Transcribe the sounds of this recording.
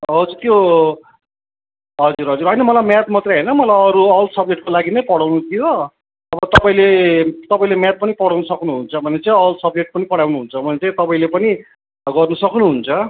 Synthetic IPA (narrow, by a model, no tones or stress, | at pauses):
ɦʌd͡zurt̪jo | ɦʌd͡zuɾɦʌd͡zuɾʌjnʌmʌlajmjat̪̚mʌt̪rejɦʌjnʌmʌlajʌɾuʌlsʌb̚d͡zeʈ̚kolaɡinʌjpʌɽawnut̪ʰijo | ʌbʌt̪ʌpaĩlet̪ʌpaĩlemat̪̚pʌnipʌɽawnʌsʌknuɦunt͡sʰʌbʱʌnet͡sʌ̃ĩʌlsʌb̚d͡zek̚ʈ̚pʌnipʌɽawnuɦunt͡sʰʌbʱʌnet͡sʌ̃ĩt̪ʌpaĩlepʌni | ɡʌrnusʌknuɦunt͡sʰʌ